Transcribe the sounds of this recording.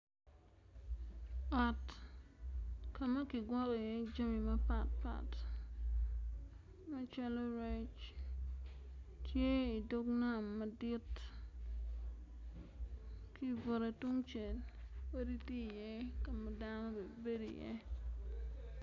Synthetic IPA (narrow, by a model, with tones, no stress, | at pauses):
ɔ˨t | ka˨mɐ˦kɪ˨ɡwɔ˦kɔ˨jɛ˦d͡ʒa˦mi˨mɐ˦pa˨t̚pa̰˨t | ma˦t͡ʃa˦lɔ˦ɾɛ˦t͡ʃ | tje˦i˨do˦kna˦˨mːɐ˨di˦t | ki˦bo˨ɾe˨tu˦ŋt͡ʃe˨lwe˦ɾi˦ti˦jɛ˦ka˨ma˨˦da˦no˦be˨be˦dḭ˨jɛ̰˦